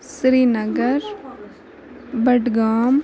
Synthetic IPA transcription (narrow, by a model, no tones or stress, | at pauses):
sɾiːnɐɡəɾ | bɐʈɡaːm